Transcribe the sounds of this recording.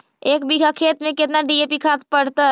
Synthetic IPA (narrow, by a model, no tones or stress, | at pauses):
eːkbiɡakʰeːt̪mẽkɪt̪naɖieːpikʰaːt̪pəɽt̪a